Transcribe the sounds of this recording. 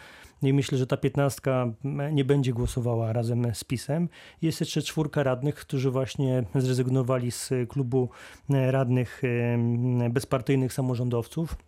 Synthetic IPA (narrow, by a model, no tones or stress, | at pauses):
imɘɕlɛʐɛt̪apʲjɛt̪nast̪kaɲɛbɛɲd͡ʑɛɡwɔsɔvawaɾazɛmspʲisɛmjɛst̪jɛʂt͡ʂɛt͡ʂfuɾkaɾad̪nɘxkt̪uʐɘvwaɕɲɛzɾɛzɘɡnɔvalʲisklubu | ɾad̪nɘx | bɛspaɾt̪ɘjnɘxsamɔʐɔnd̪ɔft̪suf